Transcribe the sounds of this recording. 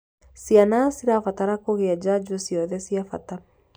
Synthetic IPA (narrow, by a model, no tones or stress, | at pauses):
sianasiɾafataɾakoɣead͡ʑad͡ʒusiɔðɛsiafata